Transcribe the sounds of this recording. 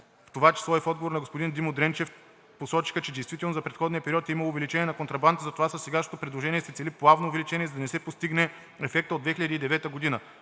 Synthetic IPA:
ft̪ovat͡ʃɛ̥slˠɔɛfɔd̪ɡovoɾnɐɡospod̪ind̪imod̪ɾɛnt͡ʃɛf | posɔt͡ʃi̥xət͡ʃɛd̪ɛjst̪vit̪ɛlˠnozɐpɾɛt̪xɔd̪nijəpɛɾiɔt̪iməlˠoːvɛlit͡ʃɛniɛnɐkont̪ɾɐband̪əzɐt̪ovasɐsɛɡaʃnot̪opɾɛd̪lˠoʒɛniɛsɛtsɛliplˠavnoːvɛlit͡ʃɛniɛzɐd̪ɐnɛsɛpost̪iɡnɛ | ɛfɛk̚t̪əod̪d̪vɛxiʎəd̪id̪ɛvɛt̪əɡod̪inə

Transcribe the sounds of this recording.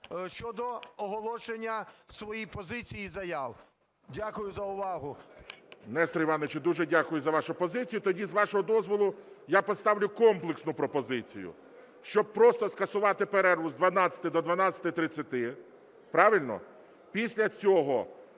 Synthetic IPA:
ʃt͡ʃɔd̪ɔɔɦɔlˠɔʃenʲːɐsʋɔjijpɔzɪt͡sʲijizɐjaw | dʲakʊjʊzɐʊʋɑɦʊ | mnɛst̪ɾɔiʋɑnʋet͡ʃɛd̪uʒɛdʲakʊjʊzɐʋɑʃʊpɔzɪt͡sʲijʊt̪ɔdʲizʋɑʃɔɦɔd̪ɔzʋɔlˠʊjapɔt̪st̪ɑʋlʲʊkɔmplˠeksnʊpɾɔpɔzɪt͡sʲḭjʊ̰ | ʃt͡ʃɔb̚pɾɔst̪ɔskɐsʊʋɑt̪ɪpeɾɛrʋʊzd̪ʋɐnɑt͡sʲɐ̥t̪ɪd̪ɔd̪ʋɐnɑt͡sʲɐ̥t̪ɪt̪ɾɪt͡sʲːɐt̪ɪ | pɾɑʋɪlʲnɔ̰ | pʲisʲlʲɐt͡sʲɔɦɔ

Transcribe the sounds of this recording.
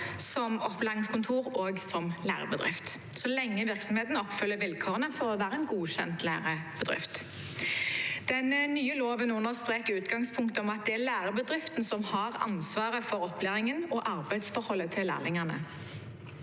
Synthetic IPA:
sɔmɔplɑːnɪŋskʰʊnt̪ʰuːʁoːɡsɔmlæ̰ːʁə̰bəd̪ʁɪ̰ft̪ | sɔlɛŋːəʋɪʁksɔmheːt̪n̩ɔpfʏlːəɾʋɪlkʰoːʁənəfɔʁɔʋæːɾʁəɛnɡuːçɛ̰nt̪læːʁəb̥əd̪ʁɪ̰ft̪ | d̪̥ɛnnyːəloːʋənʉnːəʁst̪ʁeːkəʉːt̪ɡɑŋspʰʊŋkt̪əɔmɑt̪̚d̪ɛælæːɾəbəd̪ʁɪft̪n̩sɔmhɑʁɑ̰nsʋɑːʁəfɔɾɔplæːʁɪŋənɔʔɑʁbæɪd̪sfɔɾhɔlːət̪ʰɪllæ̰ːʁlɪŋɑnə̰

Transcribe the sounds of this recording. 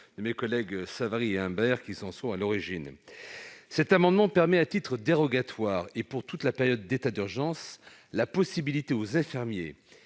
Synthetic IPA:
d̪̥əmekɔlɛɡsavaʁieɛ̃bɛʁkʲisɑ̃sɔ̃alɔʁiʒin | sɛt̪amɑ̃d̪mɑ̃pɛʁmɛat̪it̪χəd̪eʁɔɡat̪waːʁepuʁt̪ut̪lapeʁjɔd̪ːet̪ad̪yʁʒɑ̃s | lapɔsibilit̪eozɛ̃fiʁmjḛ

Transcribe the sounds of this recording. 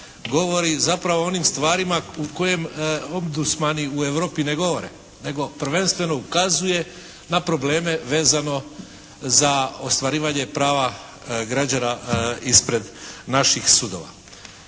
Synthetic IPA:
ɡo̞ʋo̞ɾizapɾaʋo̞o̞nimst̪ʋaːɾimauko̞je̞momd̪usmaniue̞ʋɾo̞ːpine̞ɡo̞ʋo̞ɾḛ | ne̞ɡo̞pr̩ʋe̞nst̪ʋe̞no̞ukazuje̞ | napɾo̞ble̞ːme̞ʋe̞ːzano̞ | zaost̪ʋaɾiːʋaɲe̞pɾaːʋa | ɡɾad͡ʑanaispɾe̞d̪naʃixsud̪o̞̰ʋa̰

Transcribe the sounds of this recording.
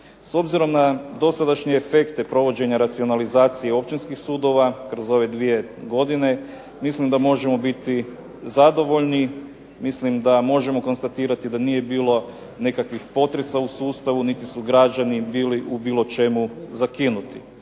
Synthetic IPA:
so̞bziɾo̞mnad̪o̞sad̪aʃɲeːfe̞kt̪epɾo̞ʋo̞d͡ʑe̞ɲaɾat̪sio̞nalizaːt̪sije̞o̞p̚t͡ʃinskixsuːd̪o̞ʋakɾo̞zo̞ʋe̞d̪ʋije̞ | ɡo̞d̪ine̞ | mislimd̪amo̞ʒe̞mo̞bit̪i | zad̪o̞ʋo̞ʎni | mislimd̪amo̞ʒe̞mo̞ko̞nst̪at̪iːɾat̪id̪anije̞biːlo̞ | nekakʋixpo̞t̪ɾe̞sausuːst̪aʋunit̪isuɡɾad͡ʑanibiːliʔubiːlˠo̞t͡ʃe̞muzakinut̪i

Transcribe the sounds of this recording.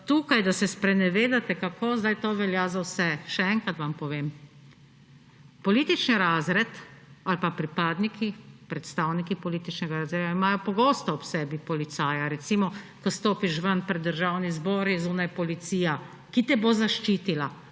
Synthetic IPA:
t̪uːkajd̪asɛspɾɛnɛʋeːd̪at̪ɛkakozd̪ajt̪oːʋɛljazawsɛʃɛɛŋkɾat̪ʋampɔʋeːm | pɔliːt̪it͡ʃniɾaːzɾɛt̪alpapɾipaːd̪nikʰipɾɛt̪st̪aːwnikipɔliːt̪it͡ʃnɛɡaɾazeːʋaimaːjɔpɔɡoːst̪ɔːpsɛbipɔlit̪saːjaɾɛt̪simɔkɔst̪oːpiʃʋənpɾɛd̪ːəɾʒawnizboɾizuːnajpɔlit̪siːja | kit̪ɛbozaʃt͡ʃiːt̪ila

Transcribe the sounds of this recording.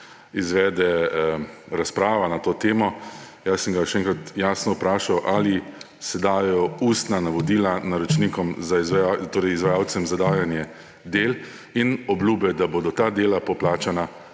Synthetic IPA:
izʋɛːd̪ɛ | ɾaspɾaːʋanat̪oːt̪eːmɔ | jasəŋɡajʃɛɛːŋkɾat̪jaːsnɔpɾaːʃawʔali | sɛd̪aːjɛjɔust̪nanaʋɔd̪iːlanaɾɔt͡ʃnikɔmzaizjat̪oːɾɛjizʋajaːw̪sɛmzad̪aːjanjɛ | d̪eːl | inɔblʲjuːbɛd̪aboːd̪ɔt̪aːd̪eːlapɔplaːt͡ʃana

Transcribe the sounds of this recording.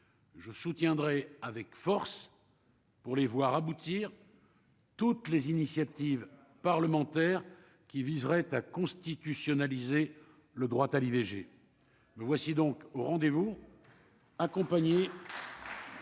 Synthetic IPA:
ʒəsut̪jɛ̃d̪ʁɛavɛkfɔʁs | puʁlevwaʁabut̪iːʁ | t̪ut̪lezinisjat̪iv | paʁləmɑ̃t̪ɛʁ | kʲivizʁɛt̪akɔ̃st̪it̪ysjɔnalize | ləd̪ʁwat̪aliveʒe | məvwasid̪ɔ̃koʁɑ̃d̪evu | akɔ̃paɲe

